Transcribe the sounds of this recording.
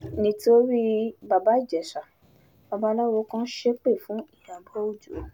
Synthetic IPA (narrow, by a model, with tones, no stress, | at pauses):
nĩ˧to˧ɾi˦ba˧ba˨˦˨d͡ʒɛ˨ʃa˨ | ba˧ba˨˦la˦wɔ˧kã˦ʃe˦k͡pe˦˨fũ˨˦i˦˨ja˨bɔ˦o˦˨d͡ʒo˨˦